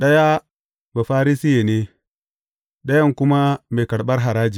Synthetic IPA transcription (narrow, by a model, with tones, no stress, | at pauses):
ɗɐ˦ja˦ | ba˨ɸaː˦ɾi˦si˦je˨ne˦ | ɗɐ˦jɐ˦˨ŋkʊ˦ma˦meː˨kɐ˨ɽɓɐ˦rɦa˨ɾaː˦d͡ʒi˨